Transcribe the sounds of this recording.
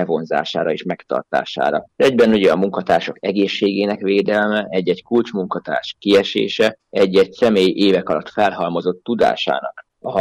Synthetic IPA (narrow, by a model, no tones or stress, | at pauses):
ɛvo̞nza̰ːʃa̰ːɾɒeːʃmɛkt̪ɒ̰rt̪a̰ːʃa̰ːɾɒɛɟbɛnuɟɛɒmːuŋkɒt̪aːrʃo̞kɛɡeːʃːeːɡeːnɛkʋeːd̪ɛlmɛʔɛɟːɛɟkult͡ʃmuŋkɒt̪a̰ːrʃkiɛʃḛːʃɛɛɟːɛɟsɛmeːjʔeːvɛkɒlɒt̪fɛlɦɒlmo̞zo̞t̪ːud̪a̰ːʃa̰ːnɒk | ɒ